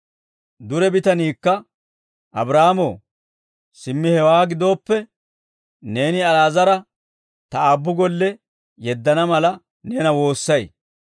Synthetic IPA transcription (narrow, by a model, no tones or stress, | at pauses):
d̪ʊɾɛbɪt̪ɐniːkːɐ | ʔɐ̰bɾaːmoː | sɪmːɪhɛwaːɡɪd̪o̞ːpːɛ | ne̞ːnɪɐlaːzɐɾɐ | t̪ɐaːbːʊɡɔlːɛ | jɛd̪ːɐnɐmɐlɐ | neːnɐwo̞ːsːɐj